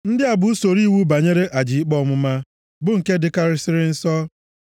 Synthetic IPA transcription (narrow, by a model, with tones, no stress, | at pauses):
n̩˦dɪ˦a˨bʊ˨˦u˦so˨ɾi˦˨wu˦ba˨ɲe˦ɾe˦ʔa˨d͡ʒi˨i˦k͡pɔ˦ɔ˦mʊ˦ma˦ | bʊ˦ŋ̩˨ke˦dɪ˦ka˦ɾɪ˦sɪ˦ɾɪ˦n̩˦sɔ˦